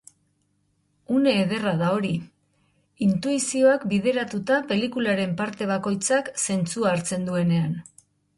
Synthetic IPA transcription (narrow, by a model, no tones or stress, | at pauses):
une̞ːð̞e̞raðao̞ɾi | int̪uisio̞akbið̞e̞ɾat̪ut̪ape̞likulaɾe̞mpaɾt̪e̞β̞ako̞jt͡sakse̞nt͡suaːɾt͡se̞nd̪ue̞ne̞an